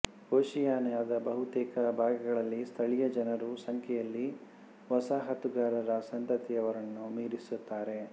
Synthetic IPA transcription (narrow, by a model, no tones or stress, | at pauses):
hoːʃijaːnɐjaːd̪ɐbɐɦut̪ɛːkʰɐbʱaːɡɐɡɐɭɐlːist̪ʰɐɭijɐd͡ʒɐnɐɾusɐŋkʰɛjɐlːi | ʋɐsaːɦɐt̪uɡaːɾɐɾɐsɐnt̪ɐt̪ijɐʋɐɾɐnːumiːɾisut̪ːaːɾe̞